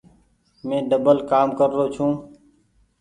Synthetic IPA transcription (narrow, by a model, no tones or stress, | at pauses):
mẽːɖəbəlkaːmkəɾːoːt͡ʃʰũː